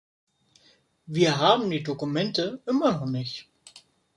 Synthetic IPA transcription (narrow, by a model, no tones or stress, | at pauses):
viːɐɦaːbm̩diːdokumɛntəʔɪmɐnɔχnɪçt